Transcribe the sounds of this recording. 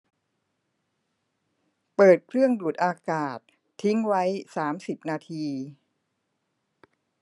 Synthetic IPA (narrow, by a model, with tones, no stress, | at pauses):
pɤː˨˩t̪̚kʰɾɯ˥˩əŋduː˨˩t̪̚ʔaː˧kaː˨˩t̪ʰː | i˦˥ŋwa˦˥jsaː˩˦msi˨˩p̚naː˧t̪ʰiː˧